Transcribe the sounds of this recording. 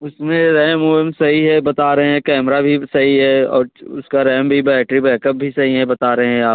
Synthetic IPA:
ʊsmẽɾɛːmoːmsɐɦiɦɛbɐt̪aːɾɐɦẽɦɛ̃kɛːmɾabʱisɐɦiɦɛɔ̰ːɾʊ̰skaɾɛːmbʱibɛːʈɾibɛːkəp̚bʱisɐɦiɦɛbɐt̪aːɾɐɦẽɦɛ̃aː

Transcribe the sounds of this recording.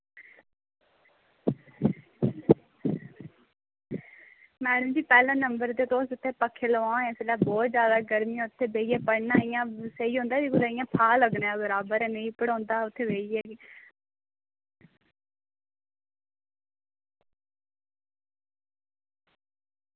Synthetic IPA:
mɛːɽəmd͡ʒiːpɛːlãːnəmbəɾd̪eːt̪oːsʊt̪ʰːeːpəkʰːeːləʋãːẽselaːbɔːt̪d͡ʒjaːd̪aːɡəɾmĩːãʊt̪ʰːeːbeːiɛːpəɽnaːɪjãːsəiːɦõːnd̪aːd͡ʒiːɡʊd̪aːɪjãːpʰaːləɡnːãːbəɾaːbəɾɛːnəiːpəɽãːnd̪aːʊt̪ʰːeːbeːiɛːɡiː

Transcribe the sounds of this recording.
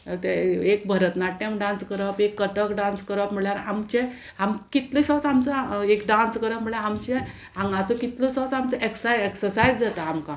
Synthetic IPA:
t̪eekbʱəɾət̪naʈʈːẽmɖãnskəɾəpekːəʈəkɖãnskəɾəpm̤iɭjaɾamt͡ɕẽ | amkit̪lisɔ̃t͡samt͡səekɖãnskəɾəpm̤iɭjaamt͡ɕẽ | ãŋɡat͡sɔkit̪lɔsɔt͡samt͡səʔeksajeksəɾsajd͡zd͡zat̪aːmkã

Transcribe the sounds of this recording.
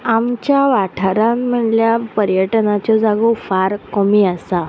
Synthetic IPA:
amt͡ɕjaʋaʈʰəɾãmm̤əɳljapəɾjəʈnat͡ɕɔd͡zaɡufaɾkɔmiasa

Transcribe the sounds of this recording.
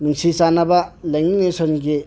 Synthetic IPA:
nɯŋsisanɐbɐlejŋinesɔnɡi

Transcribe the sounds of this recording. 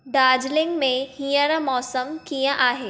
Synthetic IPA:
ɖaːd͡ʒlɪ̃ŋɡmẽhĩːjə̃ɾə̃mɔːsəmkijə̃ʔaːɦeː

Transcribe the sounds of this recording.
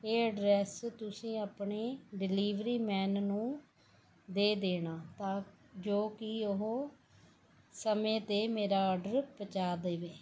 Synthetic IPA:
eːəɖɾɛːst̪ʊsĩːaːpɳeːɖɪliːʋɾiːmɛːnnũː | d̪eːd̪eːɳaːt̪ãː | d͡ʒoːkɪʊɦoː | səmẽːt̪eːmeːɾaːɔːɾɖəɾpət͡ʃaːd̪eːʋeː

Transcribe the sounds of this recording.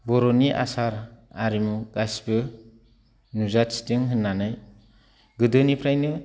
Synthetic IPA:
bɔɾɔniʔa̰saɾaɾimuɡ̥asbɯ | nuzati̥tɯŋɦɯnːanɯj | ɡɯdɯnipʰɾajnɯ

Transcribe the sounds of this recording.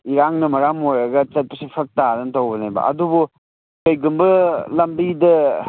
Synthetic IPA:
iɾaŋnɐmɐɾamoɾɐɡɐt͡ʃɐt̚pɐsipʰɐk̚tadɐnɐtɐwbɐnajbɐ̰ɐ̰dubu | kɐjɡumbɐlɐmbidɐ

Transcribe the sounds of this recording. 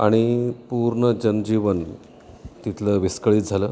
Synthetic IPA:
aɽ̃ipuɾɳəd͡ʑənd͡ʑiʋən | t̪it̪ʰləʋiskəɭiːd͡zʱaləː

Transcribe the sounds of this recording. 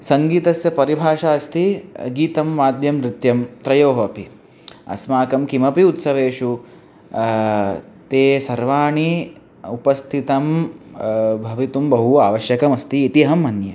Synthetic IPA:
sɐŋɡiːt̪ɐsjɐpɐɾibʱaːʂaːɐst̪iɡiːt̪ɐmːaːd̪ʱjɐmɾɪt̪jɐmt̪ɾɐjoːɦɐpi | ɐ̰smaːkɐmkimɐpiut̪sɐʋeːʂu | t̪eːsɐɾʋaːɳi | upɐst̪ʰit̪ɐm | bʱɐʋit̪umbɐɦuaːʋɐʃjɐkɐmɐst̪iːt̪iɦɐmɐnjɐ̰

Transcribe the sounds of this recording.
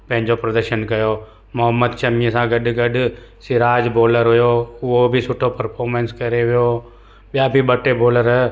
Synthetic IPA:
pɐ̃ɦɪ̃ɲd͡ʒopɾɐd̪əɾʃənkɐjoː | mʊɦəmːəd̪t͡ʃɐmiẽsãːɡɐɖɡɐɖ | sɪɾaːd͡ʒboːləɾɦʊjoːʊobʱisʊʈʰopəɾpʰoːɾmẽnskɐɾeɦɪjo | ɓɪjaːbʱibɐʈeboːləɾɦɛ

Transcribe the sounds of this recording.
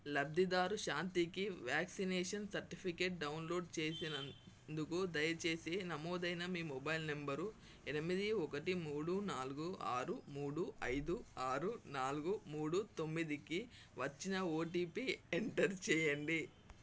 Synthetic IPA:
lɐb̚d̪id̪aːɾuʃaːnt̪ikiʋjaːksineːʂɐnsɐɾʈipʰikeːʈ̚ɖɐwnlo̞ːɖt͡ʃe̞ːsinɐ | d̪ukud̪ɐjɐt͡ʃe̞ːseːnɐmoːd̪ɐjnɐmiːmɔbɐjlne̞mbɐɾu | ɛnɐmid̪iɔkɐʈimuːɽunaːluɡuʔa̰ːɾumuːɽuʔɐjd̪uaːɾunaːluɡumuːɽut̪o̞mːid̪iki | ʋɐt͡ʃːinɐoːʈiːpieɳʈɐɾt͡ʃɛːjɐɳɖi

